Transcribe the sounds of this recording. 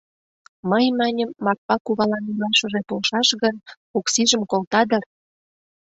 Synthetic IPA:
məjmɑnʲəmːɑk̚pɑkuβɑlɑnilɑʃə̆ʒepolʃɑʃɣən | oksiʒəmkolt̪ɑd̪ər

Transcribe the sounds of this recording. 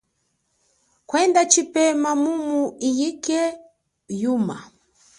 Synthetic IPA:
kwɛndat͡ʃipɛmamumuijikɛ | juma

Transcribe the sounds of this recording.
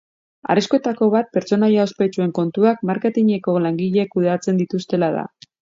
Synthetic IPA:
a̰riskoe̞t̪ako̞βat̪̚pe̞ɾt͡so̞najaospe̞t͡ʃue̞ŋko̞nt̪uakmaɾke̞t̪iɲe̞ko̞laŋɡiʎe̞kuðat͡se̞nd̪it̪ust̪e̞laða̰

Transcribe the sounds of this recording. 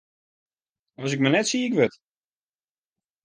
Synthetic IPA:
ɔs̬ɪk̚mənɛtsikʋøt

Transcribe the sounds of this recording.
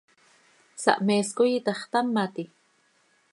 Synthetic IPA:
sa̰ʔmeːskʊjit̪ɑχt̪amːat̪i

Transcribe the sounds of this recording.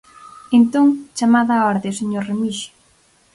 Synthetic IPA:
ent̪oŋt͡ʃamaðaɔɾðeseɲoɾremiʃʊ̥

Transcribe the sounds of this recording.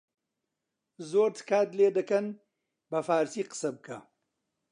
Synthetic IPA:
zoːɾt̪ʰkaːd̪leːd̪ɐkɐn | bɐfaːɾsiqə̥sɐb̚kʰa

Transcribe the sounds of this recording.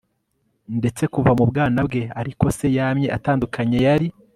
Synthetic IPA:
nde̞t͡se̞kuvamubɡaːnabɡe̞aɾiko̞se̞jaːmɲe̞ʔataːndukʰaɲe̞jaɾi

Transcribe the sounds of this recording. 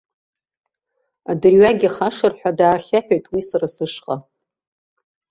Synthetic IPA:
adɨrɥaɡʲiχaʂɨrħʷᶣadaːχʲaħᶣojtʼwisɨrasɨʂqʼa

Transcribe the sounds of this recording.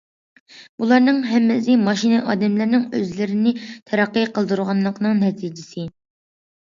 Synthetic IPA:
bulˠɑɾnɨŋɦɛmːɪsɪmɑʃinɨʔɑːd̪ɛmlɪɾnɪŋøzlɪɾɪnɪt̪ʰɛɾɑqːəqʰəlˠd̪uɾʁɑnːˠəqnɨŋnɛt̪ʰid͡ʒɪsɪ

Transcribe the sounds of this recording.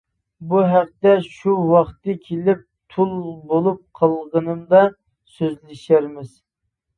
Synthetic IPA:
buɦæq̚t̪ɛʃuwɑχt̪ɨkʲʰelɪp̚t̪ʰulˠbolˠup̚qʰɑlˠʁənɨmd̪ɑ | søzlɪʃæɾmɪz̥

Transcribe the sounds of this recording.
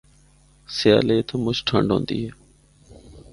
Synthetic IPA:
sɪjaːleːt̪ʰːmʊt͡ʃʈʰə̰ɳɖɦõ̰ːnd̪ḭːɦɛː

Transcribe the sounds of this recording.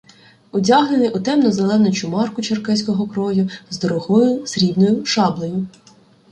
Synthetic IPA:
ʊdʲaɦnenɪjʔʊt̪ɛmnɔzelˠɛnɔt͡ʃʊmɑrkʊt͡ʃerkɛsʲkɔɦɔkɾɔjʊzd̪ɔɾɔɦɔjʊsɾʲibnɔjʊʃɑblˠɔjʊ

